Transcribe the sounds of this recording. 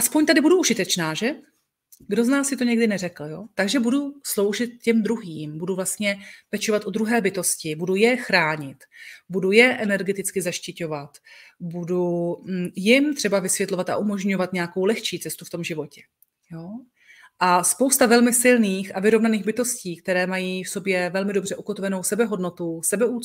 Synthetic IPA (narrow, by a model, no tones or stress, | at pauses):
ʔaspoɲt̪adɪbuduʔuʒɪt̪ɛt͡ʃnaːʒɛ | ɡdo̞znaːsɪt̪o̞ɲɛɡdɪnɛrɛkl̩jo̞t̪aɡʒɛbuduslo̞wʒɪt̪̚cɛmd̪ɾuɦiːmbuduvlast̪ɲɛpɛt͡ʃo̞vat̪ʔod̪ɾuɦɛːbɪt̪o̞scɪbudujɛxɾaːɲɪt̪budujɛʔɛnɛɾɡɛt̪ɪt͡skɪzaʃcɪco̞vat̪budu | jɪmt̪r̝̥ɛbavɪsvjɛt̪lo̞vat̪ʔa̰ʔumo̞ʒɲo̞vat̪ɲɛako̞wlɛxt͡ʃiːt͡sɛst̪uft̪o̞mʒɪvo̞cɛ̥ | jo | ʔaspo̞wst̪avɛlmɪsɪlniːxʔavɪɾovnaniːɣbɪt̪o̞sciːk̚t̪ɛɾɛːmajiːfso̞bjɛvɛlmɪdo̞br̝ɛʔukot̪ovɛno̞wsɛbɛɦo̞dno̞t̪usɛbɛuː